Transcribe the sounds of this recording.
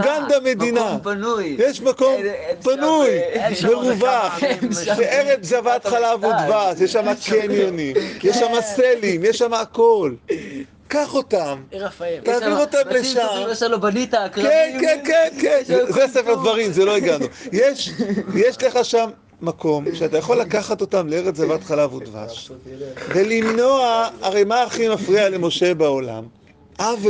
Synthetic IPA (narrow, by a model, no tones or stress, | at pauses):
ɡand̪ame̞d̪inapjjɛʃmako̞mpanujmeʁuvaχʃeʔeʁefzevaːt̪χalaːvod̪vasjeʃːamakenjonimjɛʃːamaselimjɛʃːamaːkol | kaχo̞t̪amt̪aːviʁotamleʃambalit̪akkenkenkenkenzesefeʁdvaʁimzelo̞iɡanujeʃjeʃle̞χaʃamː | ako̞mʃeat̪ajaχo̞lːakaχato̞tamleeʁet͡szavatχalavudva̰ʃ | velimno̞aaʁe̞jmaːχimafʁiale̞mo̞ʃe̞baola̰m | ʔav